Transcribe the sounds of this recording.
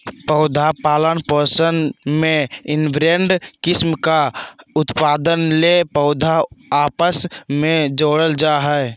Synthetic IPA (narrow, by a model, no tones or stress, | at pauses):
pəʊd̪ʱapaːlənpəɾsənmẽɪnbɾeɳɖkɪsmkaʊt̪paːd̪ənlepəʊd̪ʱaaːpəsmẽd͡ʒoːɽəld͡ʒaɦɛe